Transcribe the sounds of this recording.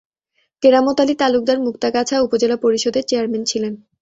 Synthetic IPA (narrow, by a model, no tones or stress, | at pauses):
keɾamot̪alit̪aluk̚d̪aɾmukt̪akat͡ɕʰaupod͡ʑelapoɾiʃod̪eɾt͡ɕeaɾment͡ɕʰilen